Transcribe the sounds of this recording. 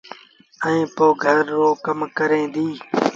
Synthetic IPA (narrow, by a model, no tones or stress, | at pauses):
ɛ̃ĩːpoːɡʱəɾːoːkəmkəɾẽːd̪iː